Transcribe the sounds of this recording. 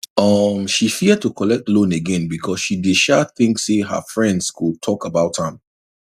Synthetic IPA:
ʌmʃifid̚tʰukʰɔlɛk̚tlõneɡɛ̃nbikʰɔsʃidɪʃaθɪ̃ŋkseɦə̰fɹɛ̃ndz̥kʰutʰɔkəbaʊthə̃m

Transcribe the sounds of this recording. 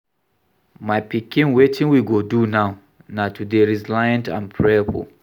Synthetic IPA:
majpikĩnwetʰĩŋwiɡodunaʊ | natʰudeɹizlajə̃ntã̰npʰɹɛbɔ̰

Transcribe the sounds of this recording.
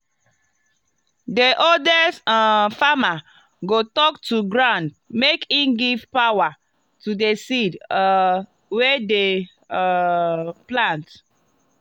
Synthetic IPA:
deʔoldɛsfama | ɡotɔktuɡɹãnd | mekĩnɡivpawa | tudesid | wede | plãnt

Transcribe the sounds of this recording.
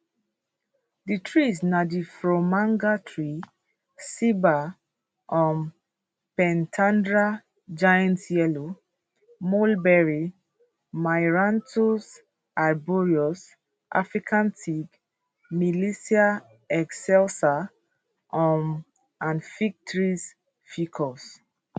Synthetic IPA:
ditʰɹisnadifɹomãŋɡatʰɹi | siba | ʔɔ̃m | pɛ̃ntʰãndɹa | d͡ʒajãntjɛlo | molbɛɹi | majɹãntʰus | aɹbɔɹiɔs | ʔa̰fɹikʰãntiɡ | milisia | ɛksɛlsa | ʔɔm | ãnfik̚tɹis | fikʰɔs

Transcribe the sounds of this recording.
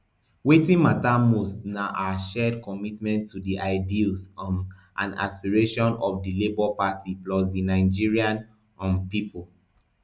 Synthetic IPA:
wetĩnmatamusnaʔaʃɛdkɔmitmɛ̃ntʰːudiʔaɪdilsʔã̰na̰spiɹeʃɔ̃nɔfdilebɔpatiplɔsdinaɪd͡ʒiɹiãn | ɔ̃mpipʰol

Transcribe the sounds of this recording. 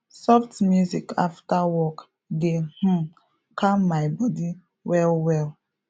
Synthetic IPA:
sɔftmjuzikaftawɔk | ɡeh̩ | kʰamːajbɔdi | wɛlwɛl

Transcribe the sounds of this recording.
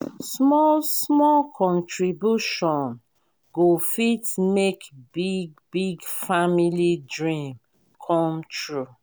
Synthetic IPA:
smɔlsmɔlkʰɔ̃ntʰɹibjuʃɔ̃n | ɡofitmekbiɡ̚biɡfamilidɹĩm | kʰɔ̃mtʰɹu

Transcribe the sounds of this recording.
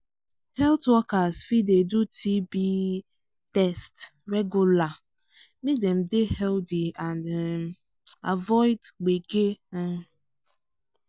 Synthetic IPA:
hɛltwɔkasfidedutʰibi | tɛstɾɛɡula | midem̩dɪhɛldɪan | a̰vɔɪdɡ͡beɡe

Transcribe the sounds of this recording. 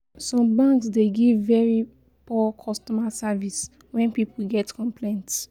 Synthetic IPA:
sɔ̃mbãŋksdeɡivːɛɹi | pɔkʰɔstɔmasavis | wɛ̃npipl̩ɡɛtkɔ̃mplẽnts

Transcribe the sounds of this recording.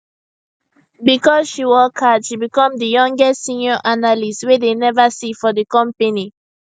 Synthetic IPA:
bikɔzʃiwɔkʰadʃibikɔ̃mdəjɔ̃ŋɡɛstsĩnjɔʔanalistwedenɛvasifɔdəkɔ̃mpeni

